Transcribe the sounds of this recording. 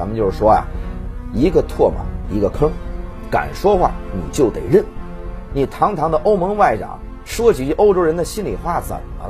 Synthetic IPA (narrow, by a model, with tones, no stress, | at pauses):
a˧˥mə˧t͡ɕjo˥˧ʊʂ̩˥˩ʂwɔ˥ja̰˨˩i˧˥ɡə˧t̪ʰwɔ˥˩mɐ̰˨˩i˧˥ɡə˧kʰɤ˥ŋka̰˨˩nʂwɔ˥xwa̰˥˩nḭ˨˩t͡ɕjo˥˩ʊt̪ḛ˨˩ɪɻə˥˩n | ni˨˩t̪ʰɑ˧˥ŋt̪ʰɑ˧˥ŋd̪ə˧ʔo˥ʊmɤ˧˥ŋwa˥˩ɪʈ͡ʂɑ̰˨˩˦ŋ | ʂwɔ˥t͡ɕi˧˥˧ʔo˥ʊʈ͡ʂo˥ʊɻə˧˥nd̪ə˨˧ɕi˥nli˨˩xwa˥˩sə̰˨˩˦